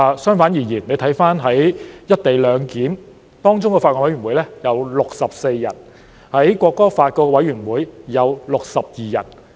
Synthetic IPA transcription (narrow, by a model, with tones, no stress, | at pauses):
sœː˥ŋfaː˨˥njiː˨˩jiː˨˩nle˨˧jt̪ʰɐ˨˥jfaː˥nɦɐ˨˥jjɐ˥t̚t̪e˨jlœː˨˧ŋkiː˨˥m | t̪ɔː˥ŋt͡sʊ˥ŋkɛ˧faː˧kɔː˧˩wɐ˨˥jɥy˨˩nwu˨˥jlɛː˥jɐ˨˧wlʊ˨k̚sɐ˨p̚se˧jːɐ̰˨˩n | hɐ˨˥jkʷɔː˧kːɔː˥faː˧t̚kɔː˧kwɐ˨˥jɥyː˨˩nwuː˨˧jjɐ˨˧wlʊ˨k̚sɐ˨p̚jiː˨˩jɐ̰˨˩n